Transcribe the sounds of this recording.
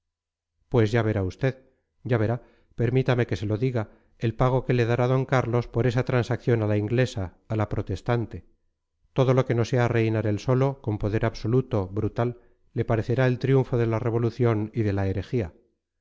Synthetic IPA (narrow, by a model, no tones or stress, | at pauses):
pwe̞zʝaβe̞ɾaust̪e̞ð | ɟ͡ʝaβ̞e̞ɾa | pe̞ɾmit̪ame̞ke̞se̞lo̞ðiɣa | elpaɣ̞o̞ke̞le̞ðaɾaðo̞ŋkaɾlo̞spo̞ɾe̞sat̪ɾansakθjo̞nalaiŋɡle̞saː | lapɾo̞t̪est̪ant̪e̞ | t̪o̞ð̞o̞lo̞ke̞no̞se̞are̞jnaɾe̞lso̞lo̞ko̞mpo̞ðe̞ɾaβso̞lut̪o̞βɾut̪alː | e̞paɾe̞θe̞ɾae̞lt̪ɾjuɱfo̞ðe̞lare̞β̞o̞luθjo̞niðe̞laeɾe̞xia